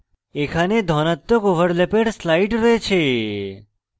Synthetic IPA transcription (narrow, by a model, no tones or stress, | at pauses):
ekʰaned̪ʱɔnat̪ːokoʋəɾlepeɖslaiʈɾəɦet͡ʃʰe